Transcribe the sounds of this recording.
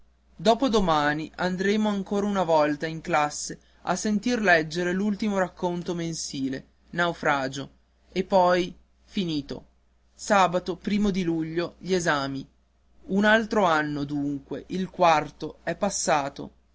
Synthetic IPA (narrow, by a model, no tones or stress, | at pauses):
d̪ɔːpod̪omaːniʔand̪ɾeːmoaŋkoːɾaunavɔlt̪aiŋklasːe | a̰sent̪irlɛd͡ʒːeɾelult̪imoɾakːont̪omensiːle | nawfɾaːd͡ʒo | epːɔj | finiːt̪o̰ | saːbat̪opɾiːmod̪iluʎːoʎiezaːmi | unalt̪ɾoanːod̪uŋkweʔilkwart̪oɛpːasːaːt̪o̰